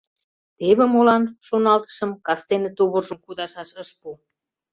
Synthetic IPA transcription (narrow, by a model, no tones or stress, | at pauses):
t̪eβĕmolɑnʃonɑlt̪ə̥ʃə̆mkɑst̪enĕt̪uβərʒə̆mkud̪ɑʃɑʃəʃpu